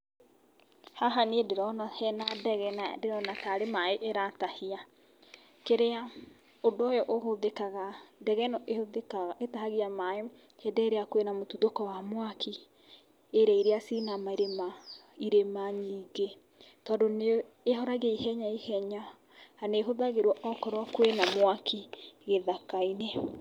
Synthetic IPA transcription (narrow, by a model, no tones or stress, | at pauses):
haɦaniedeɾɔnahɛnadɛɣɛnadeɾɔnataɾemaeʔeɾatahia | keɾea | odojɔʔohoðekaɣadɛɣɛnɔʔehoðekaɣaetahaɣiamae | hɛdɛɾeakwenamotuðokɔwamwakʰi | eɾɛiɾeasinamaiɾema | iɾemaɲiːɡe | tɔːndone | eɦɔɾaɣeihɛɲaihɛɲa | aneɦoðaɣeɾwɔʔɔkɔɾwakwenamwakiɣeðakaine